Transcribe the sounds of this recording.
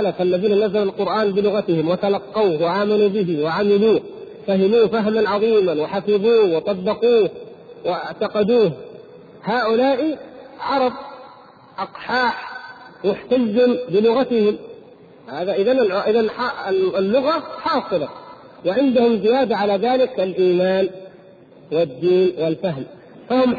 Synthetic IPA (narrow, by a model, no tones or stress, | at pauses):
lafalːaðiːnanazːalalqʊɾʔaːnbɪlʊɣat̪ɪhɪmwɪt̪alɑqːɑwhwaʔaːmanuːbɪɦɪwɪʕamɪluːh | fahɪmuːfaɦmanʕɑðˤiːmawɪħafɪðuːhwɑt̪ˤɑbːɑquːhwɪɪʕt̪ɑqɑd̪uːh | haːʔʊlaːʔiʕɑɾˤɑb̚ | ʔɑqħɑːħmʊħt̪azːɪmbɪlʊɣat̪ɪhɪm | haːðaʔɪðanʕʔɪðanħɑlːʊɣaħɑːsˤɨlɑ | wɪʕɪnd̪ahʊmzɪjaːd̪aʕalaːðaːlɪkalʔiːmaːn | wɪd̪ːiːnwɪlfaɦm | fahʊm